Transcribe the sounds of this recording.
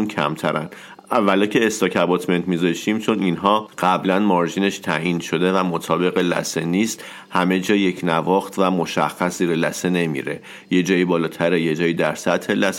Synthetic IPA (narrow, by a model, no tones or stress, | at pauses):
uncʰæ̰mt̪ʰæ̰ɾæ̰n | ævælɒcʰe̞ːst̪ɒːcʰæbɒt̪ʰme̞nt̪mizɒʃt̪iːmt͡ʃʰo̞ninɦɒːɢ̥æblænmɒɾʒine̞ʃt̪ʰæʔinʃo̞d̪e̞væmot̪ʰɒːbe̞ɣelæ̰seniːst̪ | hæme̞d͡ʒɒːjecʰnævɒːxt̪ʰvæmo̞ʃæ̰xːæsziːɾelæsene̞mḭɾe̞ | je̞d͡ʒɒːjibɒːlɒːt̪ʰæɾeje̞d͡ʒɒːjid̪æɾsæt̪he̞læs